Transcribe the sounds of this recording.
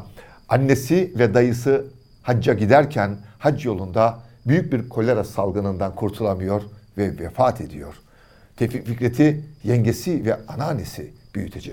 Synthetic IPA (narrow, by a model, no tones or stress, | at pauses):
anːesivɛd̪ajɯsɯ | had͡ʒːaɟid̪æɾcʰænhad͡ʒjo̞lˠund̪a | byjyc̚biɾkʰo̞lʲeɾasalˠɡɯnɯnd̪ankʰuɾt̪ʰulˠamɯjo̞ɾvɛvɛfaːt̪ʰe̞d̪ijo̞ɾ̥ | t̪ʰeficficɾet̪ʰijɛɲɟe̞sivɛanaːnːesḭb̥yjyt̪ʰed͡ʒɛ